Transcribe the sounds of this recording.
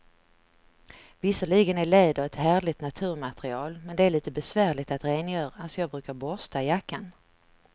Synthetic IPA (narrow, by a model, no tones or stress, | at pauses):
vɪsəɭiːɡənæɭeːd̪avɛt̪hæːɭɪt̪nat̪ʰʉ̟ːɾmat̪ɾɪɑːlmɛnd̪ɛæɾɭiːt̪əbɛsvæːɾɭɪt̪at̪ɾeːnjœːɾaalsɔjɑːɡ̚bɾʉ̟ːkaɾbɔst̪aɪjakːan